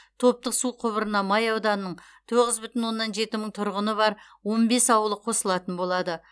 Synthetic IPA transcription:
t̪ʰo̞p̚t̪əqsuqʰʊβəɾənɑmɑjɑwd̪ɑnnːəɴ | t̪ʰo̞ʁəzbʏt̪ɪnwo̞nːɑnʒe̞t̪ɪməɴt̪ʰʊɾʁənəβɑɾ | wo̞nbe̞sɑwəlˠəqʰo̞səlˠɑt̪ənbo̞lˠɑd̪ə

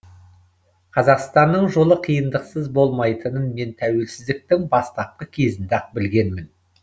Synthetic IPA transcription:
qʰɑzɑqst̪ɑnːəɴʒo̞lˠəqʰijənd̪əqsəzbo̞lˠmɑjt̪ənənme̞nt̪ʰæwe̞lsɪzd̪ɪk̚t̪ɪŋbɑst̪ɑp̚qəkʲʰe̞zɪnd̪ɑq̚bɪlɡʲe̞nmɪn

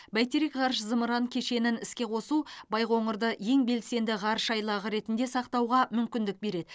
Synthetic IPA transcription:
bæjt̪eɾekʁɑɾʃzəməɾɑŋkʲʰe̞ʃe̞nɪnɪskʲe̞qʰo̞subɑjʁo̞ɴəɾd̪əje̞ŋbe̞lse̞nd̪ɪʁɑɾʃɑjlˠɑʁəɾe̞t̪ɪnd̪e̞sɑqt̪ɑwʁɑmʏmkʲɪnd̪ɪk̚be̞ɾe̞d̪ɪ

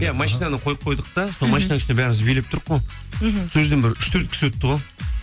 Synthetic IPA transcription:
jamɑʃijnɑnəqʰo̞jəp̚qʰo̞jd̪əq̚t̪ɑsolˠmɑʃijnɑkɪʃnebæɾɪmɪzbelep̚t̪ʰʊɾqːo | soʒzd̪ebɪɾʏʃt̪ʰɵɾt̪̚kʲɪ̥swɵt̪ːəʁo

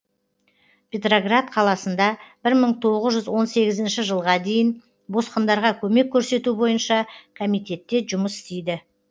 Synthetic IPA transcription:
pʰʲet̪ro̞ɡrat̪qʰɑlˠɑsənd̪ɑb̥ɪɾməɴt̪ʰo̞ʁəzʒʏzwo̞nse̞ɡʲɪzɪnʃɪʒəlˠʁɑd̪e̞jɪn | bo̞sqənd̪ɑɾʁɑkʲʰɵme̞kʲʰːɵɾse̞t̪ubo̞jənʃɑkʰomijt̪e̞t̪ːe̞ʒʊməsɪ̥st̪e̞jd̪ɪ

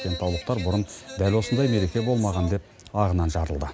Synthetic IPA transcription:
kʲe̞nt̪ʰɑwlˠəq̚t̪ɑɾbʊɾənd̪ælwo̞sənd̪ɑjme̞ɾe̞kʲe̞bo̞lˠmɑʁɑnd̪e̞p̚ | ɑʁənɑnʒɑɾəlˠd̪ə

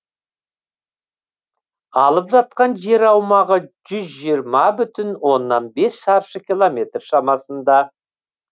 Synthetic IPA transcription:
ɑlˠəpʒɑt̪̚qɑnʒe̞ɾɑwmɑʁəʒʏzʒijəɾmɑbʏt̪ɪnwo̞nːɑnbe̞sʃɑɾʃəkʲʰilˠomʲe̞t̪rʃɑmɑsənd̪ɑ

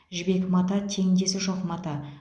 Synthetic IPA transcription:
ʒɪbe̞kmɑt̪ɑt̪ʰe̞ŋnd̪e̞sɪʒoqmɑt̪ɑ

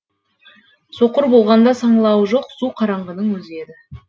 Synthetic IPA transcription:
so̞qəɾbo̞lˠʁɑnd̪ɑsɑɴlˠɑwʒo̞qsuqʰɑɾɑɴʁɑnəɴwɵzed̪ɪ

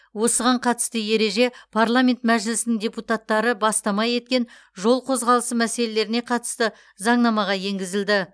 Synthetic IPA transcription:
wo̞səʁɑɴqʰɑt̪ə̥st̪əje̞ɾe̞ʒe̞pʰaɾlˠamʲe̞nt̪mæʒɪlɪsɪnɪŋdʲe̞put̪at̪ːɑɾəbɑst̪ɑmɑje̞t̪̚kʲe̞n | ʒo̞lˠqʰo̞zʁɑlˠəsəmæse̞le̞le̞ɾɪne̞qʰɑt̪ə̥st̪ə | zɑɴnɑmɑʁɑje̞ŋɡʲɪzɪld̪ɪ

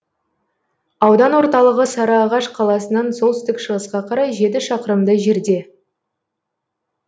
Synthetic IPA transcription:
ɑwd̪ɑnwo̞ɾt̪ɑlˠəʁəsɑɾɑːʁɑʃqʰɑlˠɑsənɑnso̞lˠt̪ʏst̪ɪkʃəʁəsqɑqʰɑɾɑjʒe̞t̪̬ɪʃɑqəɾəmd̪əʒe̞ɾd̪e̞

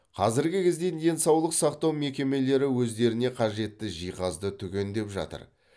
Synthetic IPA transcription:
qʰɑzɪɾɡʲɪkʲʰɪzd̪e̞nj̪e̞nsɑwlˠəqsɑqt̪ɑwme̞kʲe̞me̞le̞ɾɪwɵzd̪e̞ɾɪne̞qʰɑʒe̞t̪ːɪʒijqɑzd̪ət̪ʰʏkʲe̞nd̪e̞pʒɑ̰t̪ə̰ɾ

